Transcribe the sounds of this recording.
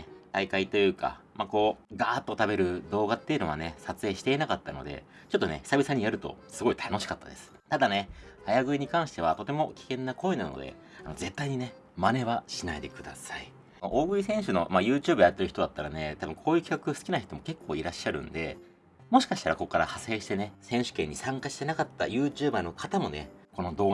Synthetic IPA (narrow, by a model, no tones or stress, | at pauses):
t̪aikait̪o̞jɯ̟ːka̰mako̞ːɡaːt̪ːo̞t̪abe̞ɾɯ̟d̪o̞ːɡat̪ːejɯ̟no̞βane̞sat͡sɨe̞ːɕi̥t̪e̞inakat̪ːano̞̰d̪e̞̰ | t͡ɕo̞t̪ːo̞ne̞ç̥sabʲisaɲ̟ijaɾɯ̟t̪o̞̰sɨɡo̞it̪ʰano̞ɕi̥kat̪ːad̪e̞sɨ̥t̪ad̪ane̞hajaɡɯ̟iɲ̟ikãɰ̃ɕi̥t̪e̞at̪o̞t̪e̞mo̞kʲi̥kẽ̞nːako̞ːenano̞̰d̪e̞̰ | a̰no̞̰ze̞t̪ːaiɲ̟ine̞ | mane̞βaɕinaid̪e̞kɯ̟d̪a̰sai | ʔoːɡɯ̟isẽ̞ɰ̃ɕɨno̞̰majɯ̟ːt͡ɕɨːbɯ̟jat̪ːeɾɯçi̥t̪o̞d̪at̪ːaɾane̞t̪abɯ̟̃ŋkʰo̞ːjɯ̟ːkʲi̥kakɯ̟sɨ̥kʲinaçi̥t̪o̞mo̞ke̞kːo̞ːiɾaɕːaɾɯ̟̰̃nd̪e̞̰ | mo̞ɕi̥kaɕi̥t̪a̰ɾako̞kːaɾahase̞ːɕi̥t̪e̞ne̞sẽ̞ɰ̃ɕɨ̥kẽ̞ɲ̟ːisãŋkaɕi̥t̪e̞nakat̪ːa̰jɯ̟ːt͡ɕɨːbano̞kʰat̪amo̞ne̞̰ko̞no̞d̪o̞ː